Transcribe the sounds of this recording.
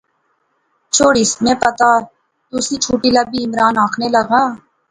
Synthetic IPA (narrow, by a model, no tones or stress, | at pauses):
t͡ʃʰoːɽɪsmẽpɐt̪a | t̪ʊsit͡ʃʰuːʈiləbiɪmɾaːnaːkʰneləɡaː